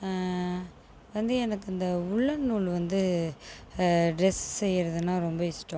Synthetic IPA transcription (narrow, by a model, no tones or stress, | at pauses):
ʋɐnd̪ɯɛnɐkːɐnd̪ɐʊɭːɐnːuːɭʋɐnd̪ɯ | ɖɾɛssɛjːɾɐðɯnaːɾɔmbɐɪsʈːõ